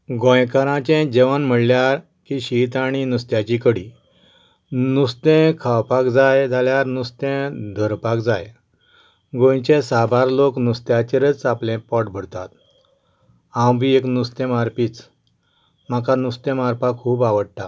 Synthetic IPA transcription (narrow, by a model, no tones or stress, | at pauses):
ɡõjkəɾãt͡ɕɛ̃d͡ʑeʋənm̤əɽljaɾ | kiɕit̪aɽ̃inust̪jat͡ɕikəɽi | nust̪ẽkʰawpakd͡zajd͡zʱaljaɾnust̪ẽd̪ʱəɾpakd͡zaj | ɡõjt͡ɕẽsabaɾloknust̪jat͡ɕeɾət͡saplɛ̃pɔʈbʱəɽt̪a̰t̪ | ãwbʱieknust̪ẽmaɾpiːt͡s | m̤akanust̪ẽmaɾpakʰɦuːpaʋəɽʈ̪a